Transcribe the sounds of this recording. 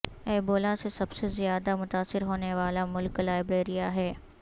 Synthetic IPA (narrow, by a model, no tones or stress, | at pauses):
ɛːboːlasesɐbsezɪjaːd̪amʊt̪aːsɪɾɦoːneʋaːlamʊlklaːɪbɾeːɾijaɦɛː